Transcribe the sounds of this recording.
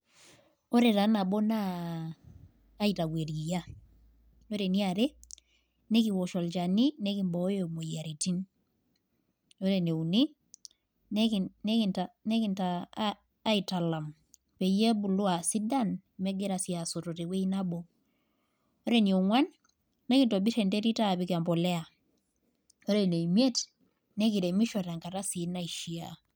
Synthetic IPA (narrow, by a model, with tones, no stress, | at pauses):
o˦ɾe˨ta˨˦na˨bo˦na˦ | i˨ta˨we˨ɾi˨ja˦ | o˦ɾe˨ni˦a˨ɾe˦ | ne˦ki˨wɔ˨ʃɔ˨lt͡ʃa˨ni˦ne˦ki˨mbɔ˨˦jo˨mo˨ja˨ɾi˨ti˦n | o˦ɾe˨ne˨u˨ni˦ | ne˦kne˦ki˨nta˨ne˦ki˨ntaː˦ | i˨ta˨la˨m | pe˨je˦bu˨lu˦a˨si˦da˦nmɛ˦ɡe˦ɾa˨si˨a˨so˨to˨te˨we˦i˦na˦bɔ˨ | o˦ɾe˦ni˨o˨ŋwa˦nː | e˦ki˨nto˨bi˦ʃe˨nde˦ɾi˦ta˦˨bi˦ka˨mbɔ˨lɛ˦a˨ | o˦ɾe˦˨ne˨i˨mje˦t | ne˦ki˨ɾe˨mi˦ʃɔ˨ta˨ŋka˨ta˦si˨na˦iʃi˨a̰˨